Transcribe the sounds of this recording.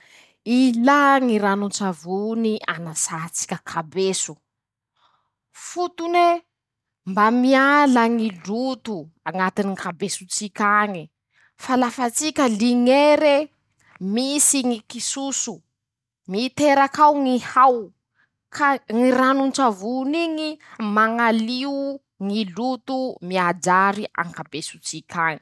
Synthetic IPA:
ilaŋiɾanunt͡savunianasat͡si̥kʲəkʰabesu | fut̪une | mbamialaŋilut̪uaŋat̪iniŋkabesut͡sikʲaŋi | falafat͡sikʲəliŋeɾe | misiŋikisusu | mit̪eɾakawŋihaw | kʰaŋiranunt͡ʃavuniŋimaŋaliu | ŋilut̪umiad͡ʒaɾiʔa̰ŋkabesut͡sikʲaŋi̥

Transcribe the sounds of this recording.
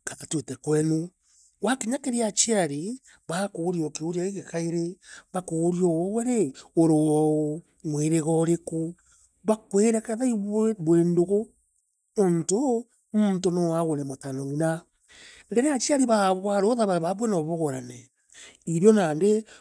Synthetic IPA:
kaðatwetɛkwɛnu | wakeɲakeɾeat͡ʃiaɾe | βakoɣːɾiɔkeoɾjaeɣekaeɾeβakoɣːɾiɔwɔwɛɾeoɾowɔ | mweɾeɣɔɾeko | βakweɾɛkaðaiββwendoɣo | onto | muntonowaɣonɛmotanɔnina | ɡeɾeat͡ʃiaɾeβaβwaɾoðaβaɾaβaβwɛnɔβoɣɔɾanɛ | iɾjɔnande

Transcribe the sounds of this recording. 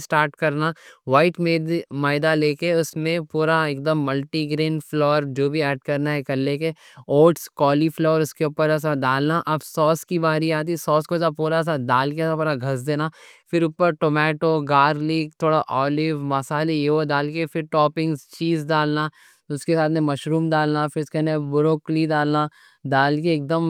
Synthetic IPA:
sʈaːɾʈkɐɾnaʋaːɪʈmemaːɪd̪aleːkeʊsmẽpuːɾaeːk̚d̪əmːɐlʈiɡɾeːnflɔːəɾd͡ʒoːbʱiɛːɖkɐɾnaɦɛkɐllːeːke | oːʈskɔːliflɔːəɾʊskeʊːpəɾɛːs̬adaːlnaʔɐbsɔːskibaːɾiaːt̪̬isɔːskozapuːɾas̬ad̪aːlkeɛːsapuːɾaɡʱɐs̬d̪eːnafɪɾʊpəɾʈoːmɛːʈoɡaːɾliːk̚t̪ʰoːɽaʔɔːlɪʋmɐsaːlejeʋod̪aːlkefɪɾʈɔːpɪ̃ŋɡzt͡ʃiːzdaːlna | ʊskesaːt̪ʰmẽmɐʃɾuːmd̪aːlnafɪɾɪskɛnebʊɾoːklid̪aːlna | d̪aːlkeːk̚d̪əm

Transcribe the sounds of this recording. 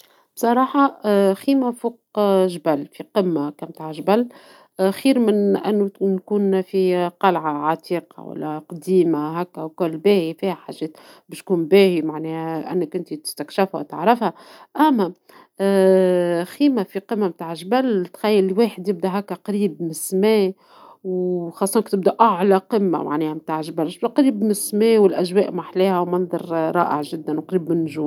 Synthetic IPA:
b̥sˤɑɾˤɑːħɑxiːmafuːq̚ʒbælːfiqəmːakæmt̪aːʕʒbælː | xiːɾmɪnʔæ̰nːunkuːnfiqɑlʕaʕat̪iːqɑ̰wæ̰lːæqɑd̪iːmaɦækːæwkʊlːbɛːhifiːhæħaʒːɛːt̪ | bɪːʃt̪̚kuːnbɛːhimaʕnɛːhʔɪ̰nːɪkʔɪnt̪it̪ɪ̥st̪ækʃɪfhæ̰w̰t̪ə̰ʕɾɪfhæʔæmːæ | xiːmafiqɨmːamt̪aːʕʒbælt̪xæjːɪlweːħɪd̪jɪb̚d̪æɦækːæqɑɾiːbmɪsmɛː | wxɑsˤːɑʔnɪkt̪ɪb̚d̪æʔaʕlaqəmːa̰ma̰ʕnɛːhæmt̪aːʕʒbælʃbd̪æqɑɾiːbmsmɛːwɪlʔæʒwɛːʔmaħleːhæwmɑnðˤɑ̰ɾˤɾˤɑ̰ːʔə̰ʕʒɪd̪ːænwqɑɾiːbmɪnːʒuːm

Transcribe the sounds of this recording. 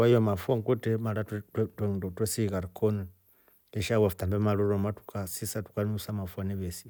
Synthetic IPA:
ajomafuaŋkutemalatttweŋdotwesiɣaɾikon | eʃawafu̥tambemaloɾomatu̥kasisatu̥kanusamafuaneβesi

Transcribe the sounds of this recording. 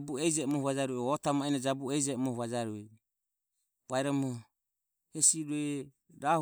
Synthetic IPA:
buɛid͡ʒɛmɔhuβad͡ʒaɾuɛɔt̪amainad͡ʒabuɛid͡ʒɛɔmɔhβad͡ʒaɾuɛ | βaɛɾamɔ | hɛsiɾuɛ | ɾah

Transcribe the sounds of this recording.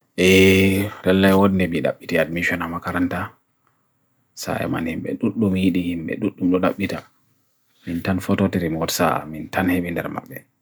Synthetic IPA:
ʔɛɾɛlːajwodindɛmiɗa̰ɓːitiadmiʃɔnamakaɾanta | sa̰ɛ̰ma̰nhimɓɛ̰ɗuɗːumjiɗihimɓɛ̰ɗuɗːumɗɔɗa̰ɓːita | mintanfɔtɔtɛɾimɔtsa̰mintanheɓindɛ̰ɾma̰ɓːɛ

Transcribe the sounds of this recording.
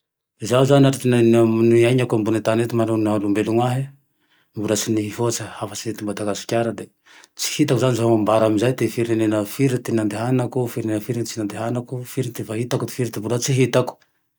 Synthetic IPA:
izauzaniaʈ͡ʂit̪enanamuniaɲakambunat̪anet̪imanonalumbeluŋwaɦi | mbulasiniɦifoat͡sihafat͡siet̪imbat̪aɡasu̥kʲaɾad̪e | t͡si̥hit̪akuzanizaɦomambaɾamizajd̪efiɾenenafiɾit̪enand̪eɦanakufiɾenenafiɾint͡sinand̪eɦanakufiɾint̪efaɦit̪akut̪e̥fiɾit̪ibulat͡siɦit̪aku̥

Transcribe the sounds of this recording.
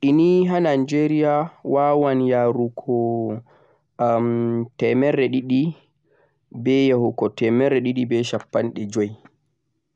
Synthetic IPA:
ʔiniɦanand͡ʒeɾijawawanjaːɾukʰɔ | mtɛmɛɾɛɗiɗi | bɛjahukɔtɛmɛɾɛɗiɗibɛʃapːanɗɛd͡ʒoj

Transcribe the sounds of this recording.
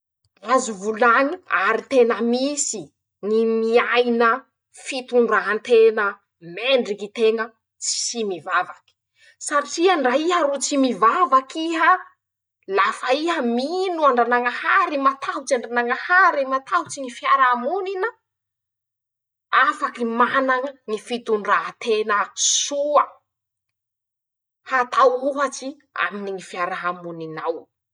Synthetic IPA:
razuvulaɲia̰ɾit̪enəmisi | nimiajnə | fit̪uɳɖ͡ʐaɦant̪enə | meɳɖ͡ʐikit̪eŋə | t͡si̥simivavaki̥ | saʈ͡ʂiaɳɖ͡ʐaiɦəɾot͡simivavakiɦə | lafaiɦəminuaɳɖ͡ʐanaŋahaɾimat̪ʰaut͡ʃaɳɖ͡ʐanaŋahaɾemat̪ʰaut͡siŋifjaɾamuninə | afakimanaŋəŋifit̪unraɦat̪enəsuə | hat̪awuɦat͡ʃi | a̰miniŋifjaɾaɦamuninaw

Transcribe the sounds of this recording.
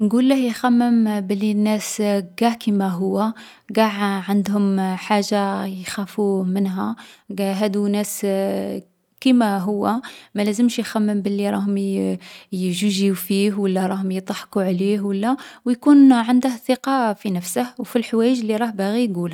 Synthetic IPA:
nɡulːəhjxæmːəmbəlːinːæsɡæʕkimæɦʊwːæ | ɡæʕʕənd̪hʊmħaʒːajxæfumənɦæɡæɦæd̪unæs | kimæɦʊwːæmælæzəmʃjxæmːəmbəlːiɾˤɑhʊm | jʒuʒiufihwəlːæɾˤɑhʊmjt̪ˤɑħquʕlihwəlːæwjkunʕənd̪əhθəqɑfinəfsəhwfilħwæjəʒəlːiɾˤɑhbæɣijɡul

